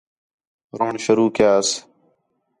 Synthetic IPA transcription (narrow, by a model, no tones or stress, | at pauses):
ɾoːɳʃəɾuːkjaːs